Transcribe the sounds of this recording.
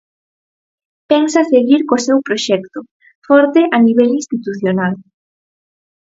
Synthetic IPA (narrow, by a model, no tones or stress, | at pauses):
pɛŋsaseɣiɾkosɛwpɾoʃɛkt̪ʊ | fɔɾt̪ɪʔaniβ̞ɛlinst̪it̪uθjonal